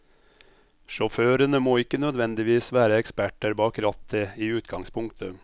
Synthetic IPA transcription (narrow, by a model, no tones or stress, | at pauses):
ʃɔføːɾənəmoːɪkːənœd̪ʋɛnd̪ɪʋiːsʋæːɾəɛkspæʈəɾbɑːkɾɑt̪əiːʉːt̪ɡɑŋspʰʊŋkt̪ʰə